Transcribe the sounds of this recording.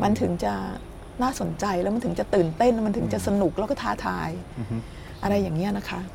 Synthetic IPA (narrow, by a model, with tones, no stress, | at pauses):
ma˧nt̪ʰɯ˩˦ŋt͡ɕa˨˩ | naː˥˩so˨˩˦nt͡ɕa˧jlɛ˦˥wma˧nt̪ʰɯ˩˦t͡ɕa˨˩t̪ɯː˨˩nt̪e˥˩n˦ma˧nt̪ʰɯ˩˦ŋt͡ɕa˨˩sa˧nu˨˩k̚lɛ˦˥wkɔː˥˩t̪ʰaː˥˩t̪ʰa̰ː˧j | ʔa˧ɾa˧jːaː˨˩ŋːi˦˥ɐna˦˥kʰa˦˥ʔ